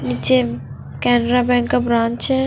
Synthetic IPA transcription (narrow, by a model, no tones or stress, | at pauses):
nit͡ʃe | kɛːneɾabɛ̃ːŋkːabɾãːnt͡ʃɛ